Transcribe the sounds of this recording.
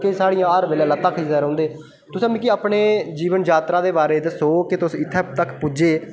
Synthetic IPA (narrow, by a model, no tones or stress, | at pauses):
kesaːɽijãːəɾʋeːlɛːlət̪ːãːkʰizɛːɾõːnd̪eː | t̪ʊsaːmĩːkiaːpɳeːd͡ʒiːʋənd͡ʒaːt̪ɾaːd̪eːbaːɾeːt̪esoːkɪt̪ʊsːɪt̪ʰːɛːt̪əkpud͡ʒeː